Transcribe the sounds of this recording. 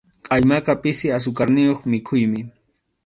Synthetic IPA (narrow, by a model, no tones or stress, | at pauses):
qʼajmaqɑpʼɪsɪas̬ʊkaɾnɪjoχmɪkʰʊjmɪ